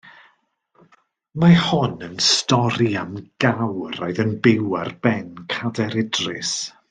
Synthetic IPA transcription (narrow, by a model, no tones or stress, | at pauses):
mahɔnənstɔɾiamɡ̥awɾɔɨðənbɪwarb̥ɛnkʰadɛɾɪdrɪs